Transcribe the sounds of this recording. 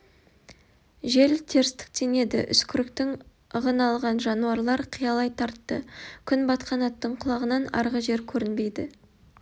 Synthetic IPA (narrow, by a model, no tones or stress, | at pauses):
ʒe̞lt̪ʰe̞ɾst̪ɪ̥k̚t̪e̞ne̞d̪ɪ̰ʔʏ̰skʲʰɪɾɪkt̪ɪŋ | əʁənɑlˠʁɑnʒɑnuɑɾlˠɑɾqʰijɑlˠɑjt̪ʰɑɾt̪ːəkʲʰʏnbɑt̪qɑnɑt̪ːəɴqʰʊlˠɑʁənɑnɑ̰ɾʁəʒe̞ɾkʲʰɵɾɪnbe̞jd̪ɪ